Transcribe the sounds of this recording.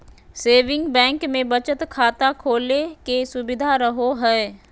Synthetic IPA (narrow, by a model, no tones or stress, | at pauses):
seːʋɪ̃ŋɡbɛ̃ːŋkmẽbət͡ʃət̪kʰaːt̪akʰoːlekesʊbɪd̪ʱaɾəɦoɦɛː